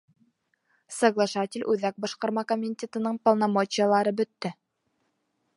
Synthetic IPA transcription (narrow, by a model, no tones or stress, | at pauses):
səɡlˠɑʃɑt̪ʲɪlʲʔʉðæk̚bɑʃqɑɾmɑkomʲitʲet̪ɤ̆nɤɴpɐlˠnɑmot͡ɕijəlˠɑɾɤbɵ̆t̪ːɘ